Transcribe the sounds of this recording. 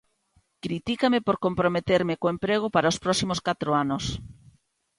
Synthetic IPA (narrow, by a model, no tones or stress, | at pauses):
kɾit̪ikamepoɾkompɾomet̪eɾmɪkoempɾeɣ̞ʊpaɾaospɾɔsimoskat̪ɾoanʊs